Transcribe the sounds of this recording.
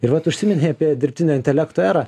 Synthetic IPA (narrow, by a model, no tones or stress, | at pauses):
ɪɾʋɐt̪ʊʃʲsʲɪmʲɛnʲɛɑpʲiɛd̪ʲɪɾʲpʲt̪ʲɪnʲɛɪnt̪ʲɛlʲæːkt̪oæːɾɑ